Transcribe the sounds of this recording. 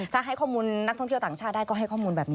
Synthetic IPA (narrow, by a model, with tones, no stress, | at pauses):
t̪ʰaː˥˩ɦa˥˩jkʰɔː˥˩muː˧nː˧˦˥k̚t̪ʰːŋʰ˥˩t̪aː˨˩ŋt͡ɕʰaː˥˩t̪̚daː˥˩jkɔː˥˩ɦa˥˩jkʰɔː˥˩muː˧nbɛː˨˩p̚niː˦